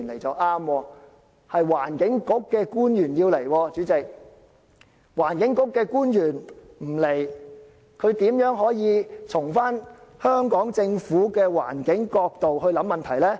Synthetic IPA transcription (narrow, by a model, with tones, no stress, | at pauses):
nle˨˩jt͡sɐ˨wʔaː˥mwɔː˧ | hɐ˨jwaː˨˩nkɪ˨˥ŋkʊ˨˥kːɛː˧kuː˥njyː˨˩njiː˧wle˨˩jwɔː˧t͡ʃyː˨˥t͡sɪ˨k̚ | waː˨˩nkɪ˨˥ŋkʊ˨˥kːɛː˧kuː˥njyː˨˩n | m̩˨˩le˨˩j | kʰɵ˨˧ɥt̪iː˨˥mjœː˨˥ŋɦɔː˨˥jiː˨˧t͡sʰʊ˨˩ŋfaː˥nhœː˥ŋkɔː˨˥ŋt͡sɪ˧ŋfuː˨˥kɛː˧wa̰ː˨˩nkɪ˨˥ŋkɔː˧k̚t̪o˨whɵ˧ɥlɐ˨˥mːɐ˨nt̪ʰɐ˨˩jlɛː˥